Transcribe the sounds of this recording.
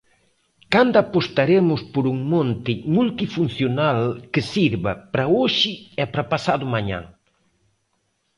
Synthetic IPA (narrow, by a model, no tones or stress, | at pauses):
kand̪apost̪aɾemʊspoɾuŋmõnt̪ɪmult̪ifunθjonalkɪsiɾβɐpɾaoʃɪɛpɾapasaðʊmaɲã̰ŋ